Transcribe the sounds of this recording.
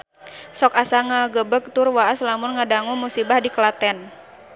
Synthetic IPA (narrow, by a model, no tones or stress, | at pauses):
sɔkasaŋaɡəbək̚t̪ʊrwaaslamʊnŋadaŋumusibahdikəlat̪ɛn